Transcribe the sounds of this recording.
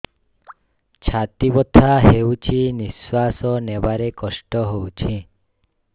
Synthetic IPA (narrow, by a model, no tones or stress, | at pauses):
t͡ʃʰat̪ibɔt̪ʰaɦewt͡ʃʰiniswasɔnebaɾekɔsʈɔɦowt͡ʃʰi